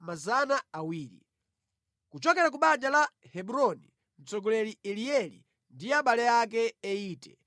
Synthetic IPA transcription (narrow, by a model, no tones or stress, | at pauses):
mazanaawiːɾḭ | kut͡ʃɔkɛɾak̬uɓad͡ʒala | hɛɓuɾɔni | n̩t͡sɔɡɔlɛliɛliɛlḭ | ndiaɓalɛak̬ɛːiːtɛ